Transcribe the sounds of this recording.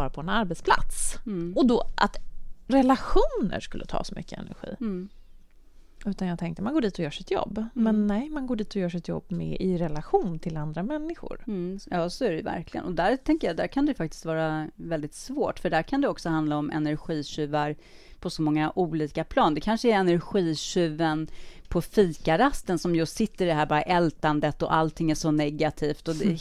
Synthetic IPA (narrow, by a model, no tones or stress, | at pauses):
ɑːɾapʰɔɛnaɾbɛt̪spʰla̰t̪sɔd̪ɔʔa̰t̪ɾɛlaɧuːnə̰ɾʂkɵlːət̪ʰɑ̰ːsɔmʔʏ̰kːəɛ̰næ̰ɾɧḭː | ʉ̟ːt̪anjɑːɡt̪ʰɛŋk̚t̪əmanɡoːɖiːt̪ɔjœːʂɪt̪jɔ̰bːmɛnːɛjmanɡoːɖiːt̪ɔjœːʂɪt̪jɔ̰bːmɛ̰ʔɪɾɛlaɧuːnt̪ʰɪland̪ɾamɛnːɪɧʊ̰ɾjɑːsɔæɾɛjvæ̰ɾklɪɡə̰nɔd̪æɾt̪ʰɛŋkəjad̪æɾkʰand̪ɛjfak̚t̪ɪ̥st̪vɑːɾavɛld̪ɪt̪svoːʈfœɖæɾkʰand̪ɛɔksɔhand̪laɔmɛ̰næɾɧiːɕʉ̟ːvaɾ | pʰɔsɔmɔŋːaʔuːliːkapʰlɑːnd̪ɛkʰanʂəæɾɛnæɾɧiːɕʉ̟ːvənpʰɔfiːkaɾast̪ənsɔmjɵst̪sɪt̪ːəɾɪd̪ɛɦæːɾbɑːɾaʔɛlt̪and̪ət̪ɔ̰ʔalt̪ʰɪŋːæʂɔnɛɡat̪ʰiːft̪ɔd̪ɛ